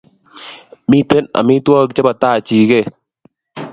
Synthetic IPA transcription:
mi˦t̪e˦nɐ̰˨mĩ˦t̪u˦a˦k̚t͡ʃɐ˦bɐ˨t̪aː˦˨t͡ʃiː˨ɡe˦

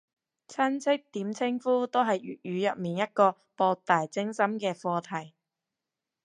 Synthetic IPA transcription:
t͡sʰɐ˥nt͡sʰɪ˥k̚t̪iː˨˥mt͡sʰɪ˥ŋfuː˥t̪o˥wɦɐ˨jy̰ː˨˩t̚jyː˨˧jœ˨p̚miː˨˩njɐ˥t̚kɔː˧ | pɔː˧k̚t̪aː˨jt͡sɪ˥ŋsɐ˥mkɛː˧fɔː˧t̪ʰɐ˨˩j

